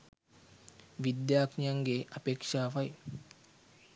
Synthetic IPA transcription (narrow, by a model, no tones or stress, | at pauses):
ʋid̪jaːknijɐŋɡeʔɐpeːkʂaːʋɐj